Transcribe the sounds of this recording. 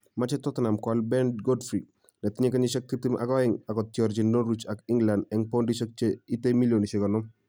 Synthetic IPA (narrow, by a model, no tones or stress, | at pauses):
mat͡ʃɛtɔtnamkalbɛndɡodfɾi | nɛt̪ɪɲekaɲɪʃɛk̚titimʔa̰kɔɛŋakɔtjɔɾd͡ʒinoɾit͡ʃakiŋɡlandɛŋpondiʃək̚t͡ʃeitemiljoniʃekɔnɔm